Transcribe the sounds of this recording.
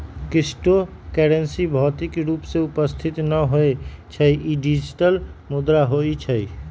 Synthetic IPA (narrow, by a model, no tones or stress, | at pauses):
kisʈokeɽensibʱɔːt̪ikɾuːpseʊpəst̪ʰit̪nəɦoet͡ʃʰəiʔiɖid͡ʒiʈəlmud̪ɾaɦoit͡ʃʰəj